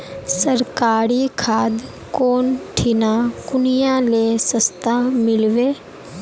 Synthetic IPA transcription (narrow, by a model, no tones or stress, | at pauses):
səɾkaːɾikʰaːd̪ | koːnʈʰɪnakʊnijalesəst̪amɪlʋeː